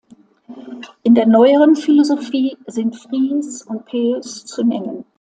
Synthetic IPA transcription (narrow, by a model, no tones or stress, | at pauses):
ʔɪndeːɐnɔʏəʁənfilozofiːzɪntfʁ̥iːsʊnt̚pʰeːst͡sunɛŋən